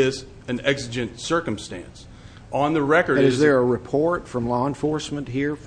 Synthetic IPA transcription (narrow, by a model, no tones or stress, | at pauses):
ɪz | ɨ̃nɛɡzɨd͡ʒɨ̃nsɜ˞kə̃mstæ̰̃ns | ə̃nðɨɹɛkə˞ɨzðə˞əɹɨpʰɔɹtfɹʌ̃mlɔə̃nfɔɹsmə̃nʔɦiɹ